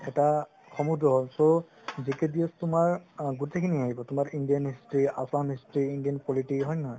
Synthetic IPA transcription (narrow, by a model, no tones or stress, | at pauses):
ɛta | xɔmudɔɦɔlso | zikɛdiɔstʊmaɹɡutekʰiniɦaɦibɔtʊmaɹindijanɦistɹiasamɦistɹiːndiɔnpɔlitiɦɔjnaɦɔj